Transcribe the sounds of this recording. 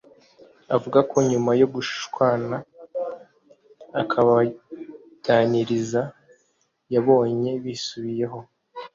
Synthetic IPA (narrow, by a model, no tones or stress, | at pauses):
avuɡako̞ɲumajoβuʃʃkwaːna | kʰaβa | ɟ̥aniɾiza | jaβo̞ːɲe̞βisuβije̞ɦo̞